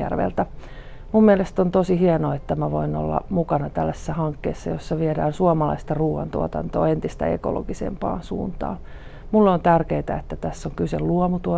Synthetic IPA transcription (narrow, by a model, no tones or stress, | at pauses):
æ̰rʋḛlt̪æ | mummielest̪ont̪osihienoet̪ːæmæʋoino̰lːɑ̰mukɑnɑt̪ælːæsesːæhɑŋkːḛːsːɑjosːɑʋiedæːnsuɑmɑlɑ̰ist̪ɑruːʋɑ̰nt̪uɔt̪ɑ̰nt̪o̰ːent̪ist̪æ̰ḛko̰lo̰ɡisḛmpɑ̰ːnsṵːnt̪ɑ̰ː | mulːont̪ærkeit̪æet̪ːæt̪æsːoŋkyselluomut̪uo